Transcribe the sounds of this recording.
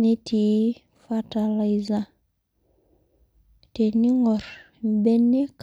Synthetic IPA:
ni˦tʰi˨˦ | fa˦ta˨la˨jza˦ | te˨ni˦ŋo˨ɾ | be˦nːe˦k

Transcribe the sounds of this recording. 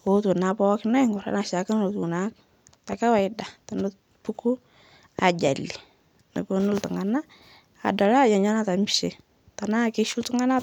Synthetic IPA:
o˦tu˨na˨pɔ˦kna˦ŋɡʊ˨ɾa̰˦na˨ʃa˨ka˦no˨tu˨na˦k̚ | ta˨ka˦wa˨ɪ˦da˨ta˨nʊ˦t | pu˦ku˦ | a˨d͡ʒa̰˨li˨ | nə̰˨pu˦nʊ˦ltʊ˨ŋa˨na˦ | a̰˨da˨la˦˨ja˨ɲa˦na˦ta˨mi˦ʃe˨ | ta˨na˦˨kɪ˦ʃu˦ltʊ˦ŋa˦na˦

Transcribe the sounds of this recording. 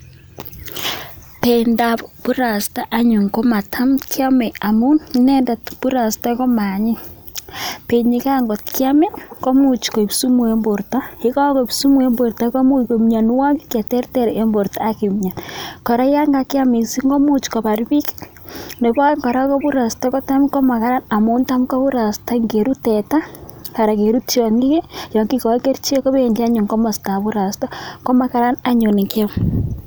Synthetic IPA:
pe˨nda˨βoβu˦ɾa˨si̥ta˦ʔːɲu˨ŋko˦ma˨tʰa˦mkʰja˦me˨a˨mu˦ni˦ne˦nda˨tβu˦ɾa˨si̥ta˦ɣo˦ma˨ɲi˦ | pe˨ɲi˦ka˦ŋɡo˨tki˦a˦me˦ŋɡo˦mu˦t͡ʃi̥˨ko˨i˨βi˦su˦mwe˨mbo˨ɾta˦hi˦ka˦ɣo˨βi˦su˦mwe˨mbo˨ɾta˨ɣo˦mu˦iko˨mɲa˨nu˦wa˦ɡi˦kja˨te˦ɾte˦ɾe˨ʔe˨mbo˨ɾtaː˦ki˨mɲa˨nko˨ɾa˦ja˦ŋɡa˨ki˦a˦mi˨si˦ŋɡo˦mu˦t͡ʃi̥ko˨βa˨ɾi˦βi˦k | ne˨βa˦ŋko˨ɾa˦ko˦βu˦ɾa˨sta˦ko˦ta˦miko˦ma˨ka˦ɾa˦na˨mo˦nta˦m˦ko˦βu˦ɾa˨sta˦ŋɡe˨ɾu˦te˨ta˦ka˨ɾa˨ke˨ɾu˦t͡ʃjɔ˨ŋɡi˦ke˦jɔ˨ŋki˦ko˨˦ke˦ɾt͡ʃe˦ko˦βe˦˨ɲd͡ʒa˦ɲu˨ŋko˦ma˨sta˨βu˦ɾa˨sta˦ko˦ma˨ka˦ɾa˦na˦ɲo˨ne˨ke˦m

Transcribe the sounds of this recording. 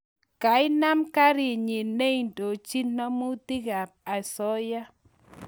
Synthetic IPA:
ka˨˦ɪ˦na˦mka˦ɾi˨ɲi˨ne˦˨ndo˨t͡ʃi˦nːɔ˦mu˦t̪i˦ɡa˨p̚a˨sɔ˦ja˦

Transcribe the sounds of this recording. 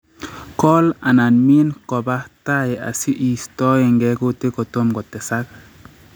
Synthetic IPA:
kɔ˦la˨na˨nmi˦nkɔ˨ba˦ta˦e˨a̰˨si˦ʔi˨stɔ˦e˨ŋɡɛ˦ko˦te˦kɔ˨to˦mɡɔ˨tɛ˨sa˦k̚

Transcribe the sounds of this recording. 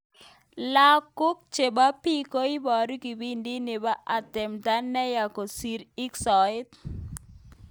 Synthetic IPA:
la˦kːʊ˦k̚t͡ʃe˨ba˦pi˦ko˦i˦bɔ˨ɾki˨bi˦ndi˦nɪ˨ba˦ʔa˨tɪ˨mta˦nːɛ˦ja˨ko˨si˨ɾi˦ksɔ˨ɪ˦t

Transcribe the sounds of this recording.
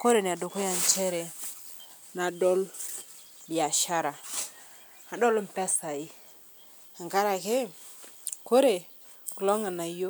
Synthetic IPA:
ko˦ɾe˨n˨a˨do˨ko˦ja˨nt͡ʃe˦ɾe˨ | na˨do˦l | bi˨ja˨ʃa˦ɾa˨ | a˨do˦lm˨pe˦sa˨ji˦ | a˨ŋka˦ɾa˨ke˦ | ko˦ɾe˨ | ku˨lo˦ŋa˨na˨jo˦

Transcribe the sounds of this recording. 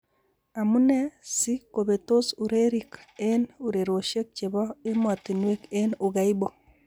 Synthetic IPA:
a˨mu˦ne˦si˦koβeto˦suɾeɾike˦nu˨ɾe˨ɾoʃe˦k̚t͡ʃeβɔ˦e˦mwa˨tinwe˦keno˨ɣaibo

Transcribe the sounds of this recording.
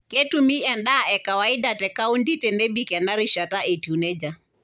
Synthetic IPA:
kɛ˦tu˨mi˦ɛ˨nɗa˦ɛ˨ka˨wai˦da˨tɛ˨ka˦u˦ndi˦tɛ˨nɛ˦bi˦kɛ˨na˦ɾi˦ʃa˨ta˦ʔe˨ti˨u˨nɛ˦d͡ʒa˨

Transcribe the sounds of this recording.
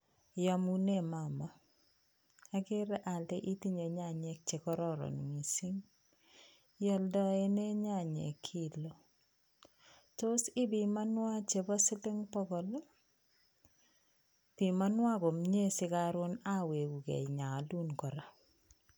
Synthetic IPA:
ja˨mu˦ne˦˨ma˨ma˨ | a˦kɪ˦ɾɛ˦ʔa˨lde˦ʔi˦ti˦ɲe˨ɲa˦˨ɲe˦k̚t͡ʃe˨kɔ˦ɾɔ˦ɾɔ̰˨n˨ŋi˨si˦ŋ | jɔ˦ldɔ˦e˦ne˦ɲa˦˨ɲḛ˨kʰːi˦lo˨ | to˦sɪ˦bi˨ma˦nwa˦t͡ʃe˨bɔ˦sɪ˦lɪ˦ŋpɔ˦kɔ˨lɔ˦ | pi˨ma˦nwa˦ko˨mɲe˦sɪ˦ka˨ɾʊ˦na˦we˨ku˨kḛ˨ɲa˨lu˦nkɔ˨ɾa˨

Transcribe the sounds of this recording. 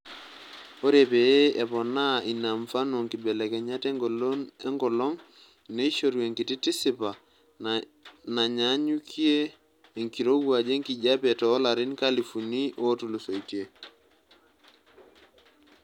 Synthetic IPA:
o˦ɾe˨pe˨˦e˨pɔ˨na˦i˨na˨mfa˦no˨ŋki˨bɛ˨lɛ˨kɛ˨ɲa˦tɛ˦ŋɡo˨lo˦nɛ˦ŋɡɔ˨lɔ˦ŋ | ne˦i˦ʃo˨ɾwe˨ŋki˨ti˦ti˦si˨pa˨ | na˨ɲa˦ɲu˦kʰi˦eː˦˨ | ŋki˨ɾo˦ɡwa˨d͡ʒe˦ŋki˨ɟa˦pe˨tɔ˦la˨ɾi˦nkali˨fu˨ni˦ʔo˦tu˨lu˨so˨itje˨

